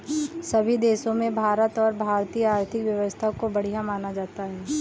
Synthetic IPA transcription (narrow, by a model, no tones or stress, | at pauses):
sɐbʱid̪eːsõmẽbʱaːɾət̪ɔːɾbʱaːɾt̪ijəaːɾt̪ʰɪkʋjɐʋəst̪ʰakobɐɽ̤ijamaːnad͡ʒaːt̪aɦɛː